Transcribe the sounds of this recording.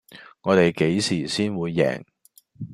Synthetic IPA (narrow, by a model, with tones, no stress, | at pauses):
ŋɔː˨˧t̪e˨˩jke˨˥jsiː˨˩siː˥nwuː˨˧jːɛ̰ː˨˩ŋ